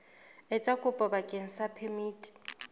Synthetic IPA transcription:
ɛt͡ʃʼakʼʊpʼɔbakʼen̩sapʰemiːtʼi̥

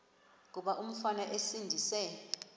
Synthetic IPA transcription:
k̬uɓaʔum̩fanaʔesindʱisɛ

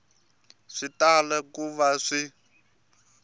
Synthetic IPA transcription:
ʂitalɛkuβaʂi

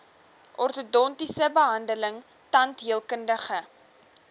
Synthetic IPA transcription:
ʔɔrtodɔntisəbəɦɐndələŋ | tɐntɦiəlˠkəndəχə

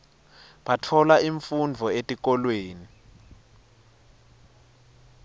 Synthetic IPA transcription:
ɓatʰɔlaiɱfund͡vʱɔetʼik̬ɔlweːni

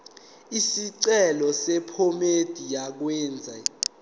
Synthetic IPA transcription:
isiǀɛlɔsɛpʰomed̥ʱijak̬wɛːnd͡zʱa

